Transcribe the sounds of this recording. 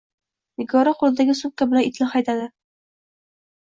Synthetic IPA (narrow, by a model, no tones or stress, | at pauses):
mɪɡɒɾaqʰolˠɪd̪aɡʲɪsup̚kʲːabɪlanɪt̪ʰlɪχajt̪ad̪ɪ